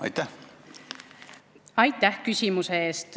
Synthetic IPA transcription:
ɑ̰jt̪ːæh | ɑjt̪ːˑæhkysʲimuseeːst̪

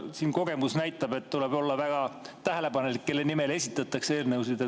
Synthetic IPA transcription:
siːnko̞ɡ̥e̞musnæjt̪ːˑɑb̥e̞t̪t̪ːule̞bo̞lːɑvæɡ̥ɑt̪æɦe̞le̞bɑnelikːe̞lːe̞nime̞le̞sʲit̪ːˑɑt̪ːˑɑkse̞ːrnewsid̪̥e

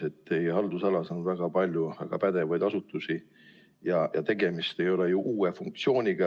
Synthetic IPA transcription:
e̞t̪ːe̞jeɦɑld̪̥usɑlɑsɑnvæɡ̥ɑpɑlʲjuɑɡ̥ɑpæd̪̥e̞vɑjd̪̥ɑsut̪ːˑusi | jɑjɑt̪e̞ɡ̥e̞mist̪e̞jo̞lejuʔuːefuŋk̚t̪sio̞ːnʲiɡ̥ɑ

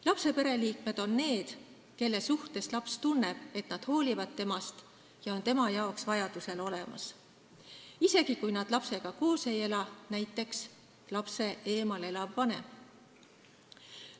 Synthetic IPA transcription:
lɑpse̞pe̞ɾe̞liːkme̞d̪̥o̞nːe̞ːd̪̥ | ke̞lːe̞suht̪e̞slɑpst̪unːe̞b̥e̞t̪nɑd̪̥ho̞ːlivɑd̪̥̚t̪e̞mɑst̪ | jɑo̞nt̪e̞mɑjɑoksvɑjɑd̪̥use̞lo̞le̞mɑ̰s | ise̞ɡ̥ikujnɑd̪̥lɑpse̞ɡ̥ɑko̞ːse̞je̞lɑnæjt̪ːˑe̞ks | lɑpse̞ʔe̞ːmɑle̞lɑvːɑne̞̰m

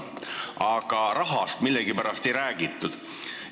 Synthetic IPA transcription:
ɑɡ̥ɑɾɑɦɑst̪milːɛɡipæɾɑst̪e̞jɾæːɡ̥it̪ːˑud̪̥

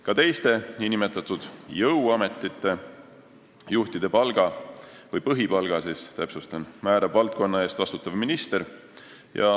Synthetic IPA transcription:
kɑt̪e̞jst̪e̞niːnimet̪ːˑɑt̪ːˑud̪̥jɤwɑme̞t̪ːˑit̪ːe̞ | juht̪id̪̥e̞pɑlɡ̥ɑvɤjpɤɦipɑlɡ̥ɑsist̪æpsust̪onmæːɾɑbvɑlt̪̚ko̞nːɑe̞ːst̪vɑst̪ut̪ːˑɑvminist̪e̞ɾ | jɑ̰

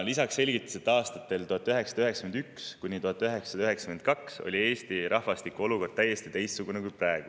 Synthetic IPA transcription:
lisɑksːe̞lʲɡit̪ːˑu̥set̪ːɑːst̪ɑt̪ːˑe̞lt̪uhɑt̪ːˑøɦe̞ksɑ̥d̥̪ɑøɦeksɑ̥kmend̪ykskunʲːit̪uhɑt̪ːˑøɦe̞ksɑd̪ɑøɦe̞ksɑkmenkɑkso̞̰lʲie̞ːst̪iɾʔɑhvɑst̪ikuo̞luko̞rd̪̥̚t̪æjːe̞st̪it̪e̞jst̪suɡunekujprʔæeɡ̥u

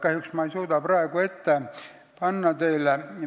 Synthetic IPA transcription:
kæhjyksmɑejsuːd̪ɑprɑeɡ̥ue̞t̪ːe | pɑnːɑt̪eile

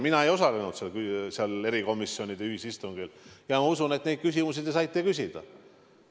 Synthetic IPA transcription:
minɑe̞jo̞sɑle̞nud̪̥seɑlkseɑle̞ɾiko̞misːjo̞nʲid̪̥eyhisist̪uŋɡiljɑmɑusunet̪ːne̞d̪̚kys̬ʲimusid̪esɑjt̪ˑːe̞kysʲid̪̥ɑ̰

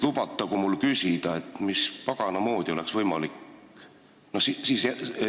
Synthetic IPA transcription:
lubɑt̪ˑːɑɡ̥umulːkysʲid̪̥ɑe̞t̪ːˑmispɑɡ̥ɑnɑmo̞ːd̪̥io̞leksvɤjmɑlik | nosisiːs

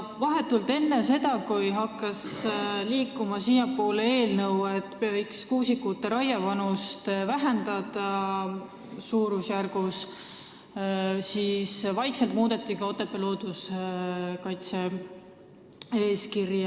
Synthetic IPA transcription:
vɑɦe̞t̪ːuld̪e̞nːese̞d̪̥ɑkujɦɑkːˑɑsliːkːˑumɑsiːjɑpːoːle̞ːlnɤwe̞t̪ˑːpɤjkskuːsikːut̪ːe̞ɾɑjɑvɑnust̪væɦend̪ɑd̪̥ɑ | suːɾusjærɡ̥us | sisvɑjkselt̪muːd̪e̞t̪ːˑikɑo̞t̪ːˑepːˑelo̞ːd̪̥us | kɑjt̪se̞ | e̞ːskirjɑ

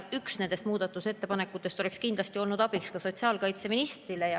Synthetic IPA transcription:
yksnend̪e̞st̪muːd̪̥ɑt̪ːˑuse̞t̪ːe̞pɑnekːˑut̪ːˑest̪o̞le̞kskind̪lɑst̪io̞lnud̪ɑbikskɑso̞t̪siɑːlkɑjt̪se̞minist̪rilejɑ

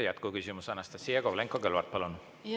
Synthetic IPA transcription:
jæt̪kukysʲimusɑnɑst̪ɑsijɑkovleŋkːˑokelvɑrt̪̚pɑlun

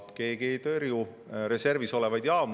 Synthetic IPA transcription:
ke̞ːɡ̥e̞ːt̪erju | ɾe̞se̞rviso̞le̞vɑjd̪̥jɑːm

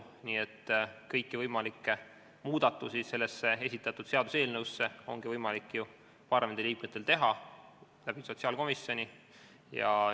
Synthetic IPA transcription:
niːet̪ːkɤ̞jkːivɤjmɑlikːˑe | muːd̪̥ɑt̪ːˑusise̞lːesːe̞e̞sit̪ːˑɑt̪ːˑud̪̥se̞ɑd̪̥use̞ːlnevusːe̞o̞ŋɡ̥ivɤjmɑlikːˑju | pɑrɑmend̪eliːkmet̪ːˑe̞lt̪e̞ɦɑ | læb̥iso̞t̪siɑlko̞misjo̞nʲi | jɑ̰

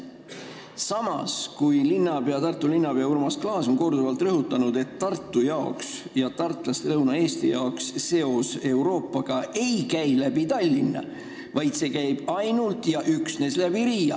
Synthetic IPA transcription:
sɑmɑ̰skujlinːɑb̥e̞ɑt̪ɑrt̪ːˑulinːɑb̥eɑurmɑsklɑːso̞nko̞rd̪uvɑlt̪ˑrɤɦut̪ːˑɑnud̪̥e̞t̪ːɑrt̪ːˑujɑoks | jɑt̪ɑrt̪ːˑlɑst̪elɤwnɑe̞ːst̪ijɑoksːe̞o̞se̞wɾo̞ːpːˑɑɡ̥ɑe̞jkæjlæb̥it̪ɑlʲːinːɑ̰ | vɑjd̪̥se̞ːkæjb̥ɑjnult̪ˑjɑʔyksne̞slæb̥iɾiːjɑ̰

